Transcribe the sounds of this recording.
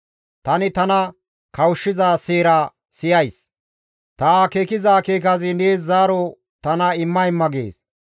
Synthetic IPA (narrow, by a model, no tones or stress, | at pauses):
t̪ɐnɪt̪ɐnɐ | kɐwʊʃːɪzaːseːɾa | sɪjɐjs | t̪ɐakeːkɪzaːkeːk̬ɐzɪneːsːaːɾɔ | t̪ɐnɐɪmːɐjɪmːɐɡḛːs